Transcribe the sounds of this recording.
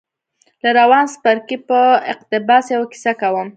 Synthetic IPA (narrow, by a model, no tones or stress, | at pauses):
laɾawɑnspaɾkipəɪqt̪ɪbɑsjawaki̥sakawəm